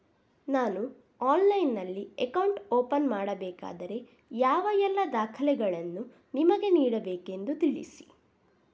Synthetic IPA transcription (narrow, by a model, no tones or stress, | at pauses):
naːnu | aːnlɐjnːɐlːiɛkɐwɳʈoːpɐnmaːɽɐbɛːka̰ːd̪ɐɾe̞ | jaːʋɐjɛlːɐd̪aːkʰɐlɛɡɐɭɐnːu | nimɐɡe̞niːɽɐbeːke̞nd̪ut̪iɭḭsi̥